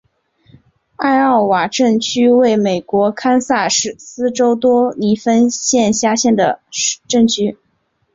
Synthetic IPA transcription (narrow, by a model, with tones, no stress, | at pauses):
a˥˧ɪɑ˥˩ʊwa˨˩ʈ͡ʂə˥˩ŋt͡ɕʰy˥we˥˩ɪme˨˩ɪkwɔ˧˥kʰa˥nsa˥˧ʂɻ̩˥˩sɹ̩˥ʈ͡ʂo˥ʊt̪wɔ˥ni˧˥fə˥nɕjɛ˥˧nɕja˥˧ɕjɛ˥˩nd̪ə˩ʈ͡ʂɤ˥˩ŋt͡ɕʰy˥